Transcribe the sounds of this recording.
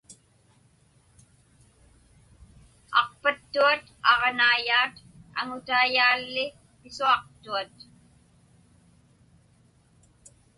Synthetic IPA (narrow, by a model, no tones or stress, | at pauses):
ɑ̰qpat̪ːuat̪ɑʁnaːjaːt̪ | a̰ŋʊt̪aːjaːlːɪ | pɪsuɑq̚t̪uat̪